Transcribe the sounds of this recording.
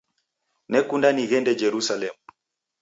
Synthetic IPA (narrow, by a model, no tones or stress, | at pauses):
nɛkundaniɣɛndɛd͡ʒɛɾusalɛmu